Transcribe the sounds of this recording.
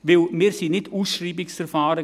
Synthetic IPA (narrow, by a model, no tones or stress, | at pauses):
ʋɪlmiːɾsinɪtuːsʃriːbɪksfɛɾfaːɾə